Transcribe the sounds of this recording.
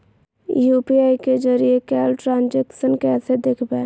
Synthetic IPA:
jupiaiked͡ʒəɾijekɛːlʈɾãːnd͡ʒeksənkɛːsed̪ekʰbɛː

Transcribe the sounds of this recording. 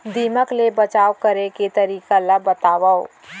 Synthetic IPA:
d̪iːməklebɐt͡ʃaːwkɐɾeket̪ɐɾiːkalabɐt̪aːʋao

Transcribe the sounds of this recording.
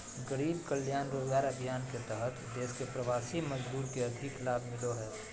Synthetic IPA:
ɡəɽiːbkəljaːnɾoːzɡaːɾəbʱijaːnket̪ɛɦət̪d̪eːskepɾɐʋaːsiməd͡ʒbuːɾkeɐd̪ʱɪklaːbʱmɪloɦɛː

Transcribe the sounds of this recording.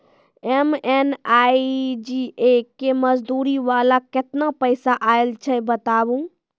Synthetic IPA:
emenaid͡ʒiekeməd͡ʒd̪uːɾiʋalakɪt̪napəɪsaʔaelt͡ʃʰɛbət̪abũ

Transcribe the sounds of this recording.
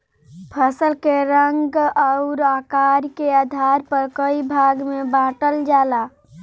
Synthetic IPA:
pʰəsəlkeɾəŋɡəʊɾakaɾkead̪ʱaɾpəɾkəibʱaɡmebãʈəld͡ʒaːla

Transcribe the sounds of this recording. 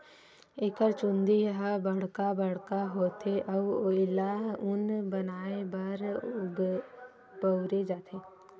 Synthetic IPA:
ekəɾt͡ʃund̪iɦabəɽ̤kabəɽkaɦot̪ʰeʔawɪlaɦʊnbɐnaːebaɾɡ | bəwɾed͡ʒaːt̪ʰe

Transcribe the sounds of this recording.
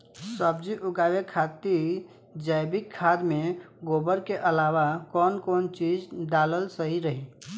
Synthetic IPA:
səb̚d͡ʒiʔʊɡaːwekʰaːt̪i | d͡ʒəɪbɪkʰːaːd̪mẽ | ɡoːbəɾkeʔəlaːwakɔːnkɔːnt͡ʃiːd͡ʒɖaːləlsəɦiɾəɦiː

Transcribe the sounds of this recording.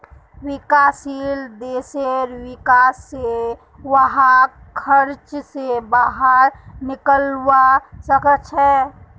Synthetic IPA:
wɪkaːsild̪eːseɾwɪkaːsːe | ʋəɦã | kʰəɾt͡ʃsebaɦəɾnɪkəlwasəkət͡ʃʰɛː

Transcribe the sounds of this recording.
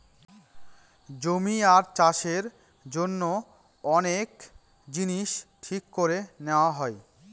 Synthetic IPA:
d͡ʑomiaɾt͡ɕaʃeɾ | d͡ʑonːo | ɔnek | d͡ʑiniʃʈʰikːoɾeneoaɦɔe

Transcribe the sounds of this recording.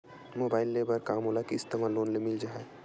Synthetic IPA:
moːbaːɪlːebəɾkaːmoːlakiɪst̪emaloːnlemɪld͡ʒaːɦɛ

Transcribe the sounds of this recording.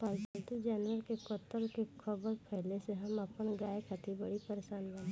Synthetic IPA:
pɐlt̪nt̪ud͡ʒɛːnwəɾkekoːt̪ːəlkekʰɐbəɾpʰɛɦleseɦɐmɐpənɡaːjekʰat̪ʰibɐɽipəɾeʃaːnbə̃n

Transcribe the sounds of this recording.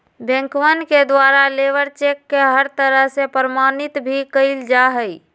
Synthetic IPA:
bẽŋkʋənked̪waːɾaleːʋəɾt͡ʃeːkːeɦəɾt̪əɾəɦsepəɾəmaːnɪt̪bʱikəɪld͡ʒaɦəi

